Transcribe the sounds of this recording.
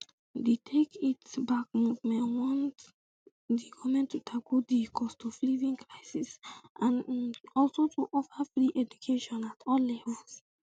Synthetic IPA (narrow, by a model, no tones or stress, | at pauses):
detʰekitbak̚muvmɛ̃nwɔ̃nt | dikʰɔmɛ̃ntʰːutʰakudikʰɔstʰuflivĩŋkʰɹaɪsisʔãnɔlsotʰuʔɔfəfɹiʔɛd͡ʒukʰeʃɔ̃natʰɔlːɛbɔs